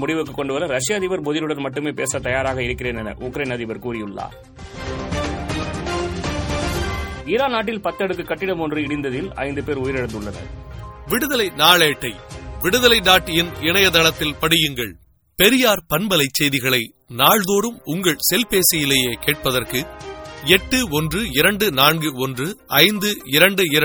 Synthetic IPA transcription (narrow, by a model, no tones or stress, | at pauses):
mʊɽɪʋɯkːɯkːɔɳɖɯʋɐɾɐɾɐʂɪjaːðɪʋɐɾmɔðɪlɯɽɐnmɐʈːɯmeːpḛːsɐt̪ɐjaːɾaːɣɐɪɾɯkːɪɾeːnɛnɐ̰ʔʊkɾɐɪnɐðɪʋɐɾkuːɾɪjɯɭːa̰ː | iːɾaːnaːʈ̬ːɪlpɐt̪ːɐɽɯkːɯkːɐʈːɪɽɐmɔndrɯɪɽɪnd̪ɐðɪlɐ̰ɪnd̪ɯpeːɾʊjɪɾɛɽɐnd̪ɯɭːɐnɐ̰ʋɪɽɯðɐlɐɪnaːɭeːʈːɐɪʋɪɽɯðɐlɐɪnaːʈːɪjɪnɪnɐjɐt̪ɐlɐt̪ːɪlpɐɽɪjɯŋɡɐɭ | pɛɾɪjaːɾpɐnbɐlɐɪt͡ʃːɛjðɪɣɐɭɐɪ | naːɻðoːɾɯmʊŋɡɐɭsɛlpeːsɐjɪleːjeːkeːʈ̚pɐðɐrkɯɛʈːɯɔndrɯɪɾɐɳɖɯnaːnɡɯɔndrɯɐɪnd̪ɯɪɾɐɳɖɯɪɾ